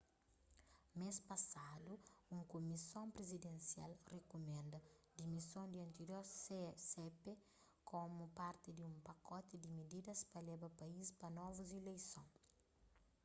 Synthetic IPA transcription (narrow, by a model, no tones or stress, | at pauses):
mespɐsad̪uũŋkumisõmpɾezid̪ẽnsja̰lrekumɛ̃nd̪ɐ | d̪imisõnd̪iɐ̃nt̪eɾjoɾsesepe | kʰomupaɾt̪ɪd̪iũmpɐkɔt̪ɪd̪imid̪id̪ɐspɐlɛbɐpɐispɐnɔvuzilejsõŋ